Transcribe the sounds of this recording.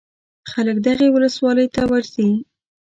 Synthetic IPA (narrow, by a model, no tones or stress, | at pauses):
xaləkd̪aɣewʊləswɑləjt̪awaɾzi